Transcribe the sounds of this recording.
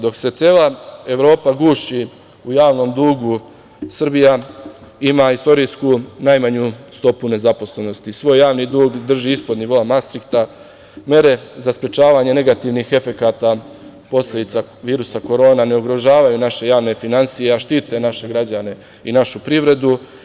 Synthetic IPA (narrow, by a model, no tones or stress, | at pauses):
d̪o̞kse̞t̪sjeːlˠae̞ʋɾo̞ːpaɡuːʃi | ujaːʋno̞md̪uːɡu | sr̩bija | imaist̪o̞ɾiskunajmaɲust̪o̞pune̞zapo̞sle̞no̞st̪isʋo̞ːjːaːʋnid̪uːɡd̪r̩ʒiːispo̞d̪niʋo̞amast̪ɾikt̪a | me̞ɾe̞zaspɾe̞t͡ʃaːʋaɲe̞ne̞ɡat̪iːʋniːxe̞fe̞kaːt̪a | po̞sle̞d̪it̪saʋiːɾusako̞ɾo̞ːnane̞uɡɾo̞ʒaːʋajunaʃe̞jaːʋne̞finansije̞aʃt̪iːt̪e̞naʃe̞ɡɾad͡ʑane̞ | inaʃupɾiʋɾe̞d̪u